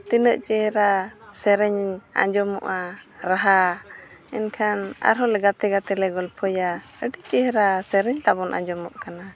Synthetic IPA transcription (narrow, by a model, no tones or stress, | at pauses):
t̪inəʔt͡ʃɛhɾasɛɾɛɲa̰ɲd͡ʒɔmɔ̰ʔaɾaɦa | ɛnkʰana̰ɾɦɔlɛɡat̪ɛɡat̪ɛlɛɡɔlpʰɔja | əɖiʔt͡ʃɛhɾasɛɾɛɲt̪abɔnʔa̰ɲd͡ʒɔmɔʔkana